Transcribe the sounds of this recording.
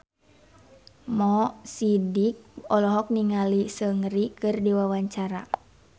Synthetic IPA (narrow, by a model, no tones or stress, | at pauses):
mɔsidik̚ɔlɔɦɔk̚niŋalisəŋɾikɨrdiwawaɲt͡ʃaɾa